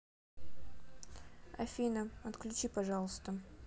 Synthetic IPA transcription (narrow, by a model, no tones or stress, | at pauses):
afʲinəɐt̪klʲʉt͡ʃipaʐɑlˠəst̪ə